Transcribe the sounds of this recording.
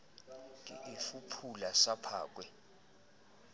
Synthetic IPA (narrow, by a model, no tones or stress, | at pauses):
ḭʔifupʰulasapʰa̰ːk̬wɛ